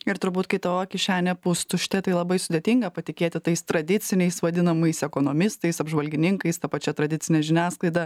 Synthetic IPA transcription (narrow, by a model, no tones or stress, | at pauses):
ɪɾt̪ʊɾbuːt̪kɐɪt̪ɐoːkʲɪʃʲæːnʲɛpʊst̪ʊʃʲt̪ʲɛt̪ɐɪlˠɐbɐɪsʊd̪ʲeːt̪ʲɪŋɡɐpɐt̪ʲɪkʲeːt̪ʲɪt̪ɐɪst̪ɾɐd̪ʲɪt͡s̪ʲɪnʲɛɪsʋɐd̪ʲɪnɐmɐɪsɛkoːnoːmʲɪst̪ɐɪsɐbʒʋɐlʲɡʲɪnʲɪŋkɐɪst̪ɐpɐt͡ʃʲɛt̪ɾɐd̪ʲɪtt͡ssʲɪnʲɛʒʲɪnʲæːsklˠɐɪd̪ɐ